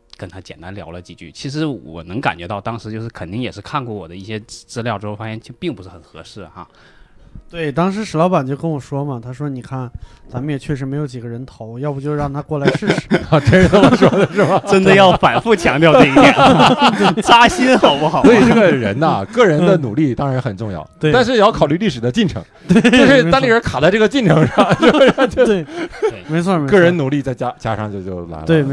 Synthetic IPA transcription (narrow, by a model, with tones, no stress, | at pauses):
kə˥˩nt̪ʰa˥t͡ɕjɛ˨˩nt̪a˧˥nljɑ̰˧˥ʊlə˧t͡ɕi˨˩t͡ɕy̰˥˩t͡ɕʰi˧˥ʂ̬ɻ̩˧˥wɔ̰˨˩nɤ˧˥ŋka̰˨˩nt͡ɕɥɛ˧˥t̪ɑ˥˩ʊt̪ɑ˥ŋʂɻ̩˧˥t͡ɕjo˥˧ʊʂɻ̩˥˩kʰə˨˩nt̪i˥˩ŋjɛ˨˩ʂɻ̩˥˧kʰa˥˧nkwɔ˥˩wɔ̰˨˩d̪ə˦i˥˩ɕjɛ˥t͡sɹ̩˥˧ljɑ˥˩ʊʈ͡ʂɻ̩˥xo˥˧fa˥ɕjɛ˥˩nt͡ɕo˥˧pi˥˩ŋpu˧˥ʂɻ̩˥˩xə˨˩nxɤ̰˧˥ʂɻ̩˥˩xa̰˧˩ | t̪we˥˩ɪt̪ɑ˥ŋʂ̬ɻ̩˧˥ʂɻ̩˧˥lɑ˧˥ʊpa˨˩nt͡ɕjo˥˧ʊkə˥nwɔ˨˩ʂwɔ˥mə˨t̪ʰa˥ʂwɔ˥ni˨˩kʰa˥˩nt͡sa˧˥mə˧˩jɛ˨˩t͡ɕʰɥɛ˥˩ʂɻ̩˧˥me˧˥ɪjo˧˥ʊt͡ɕi˨˩ɡə˦ɻə˧˥nt̪ʰo˧˥ʊjɑ˥˩bu˧˩t͡ɕjo˥˧ʊɻɑ˥˩ŋt̪ʰa˥kwɔ˥˩la˧˥ɪʂɻ̩˥˩ʂɻ̩˨˩˥t̪ʰjɛ˥˧˩ʂwɔ˥d̪ə˩ʂɻ̩˥˩˧ʈ͡ʂə˥nd̪ə˨jɑ˥˩ʊfa˨˩nfu˥˩t͡ɕʰjɑ˧˥ŋt̪jʊt̪i˥˧i˥jn˥t͡ɕa˥ɕi˥nxɑ˨˩ʊpu˥˩xɑ˨˩˦swi˨˩ʈ͡ʂɤ˥˩˥ɡə˩ɻə̰˧˥nɐ˧kɤ˥˩ɻə˧˥nd̪ə˧nu˨˩li˥˩t̪ɑ˥ŋɻa˧˥nxə˨˩nʈ͡ʂʊ˥˧ŋjɑ̰˥˩ʊt̪we˧˩t̪a˥˧nʂ̬ɻ̩˥˩jɑ˥˩ʊkʰɑ˨˩ʊly˥˧li˥˩ʂɻ̩˨˩d̪ə˦t͡ɕi˥˩nʈ͡ʂʰɤ̰˧˥ŋt̪we˥˩˥ʂɻ̩˥˧˩t̪ŋli˥˩ɻə˧˥nkʰa˨˩t͡sa˥ɪʈ͡ʂɤ˥˩ə˧t͡ɕi˥˩nʈ͡ʂʰɤ˧˥ŋʂɑ˥˩ŋo˥˩e˥˧a˥˩t͡ɕɛ˥˩me˧˥ɪt͡sʰɔ˥˧kɤ˥˩ɻə˧˥nnu˨˩li˥˧t͡sa˥˩ɪt͡ɕja˥t͡ɕja̰˥ʂɑ˥˧ŋt͡ɕjo˥˧ʊt͡ɕjo˥˩ʊla̰˧˥ɪt̪we˥˩˧